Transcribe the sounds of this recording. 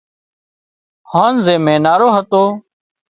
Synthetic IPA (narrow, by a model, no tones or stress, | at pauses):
haːnzeːmẽːnaːɾoːɦət̪oː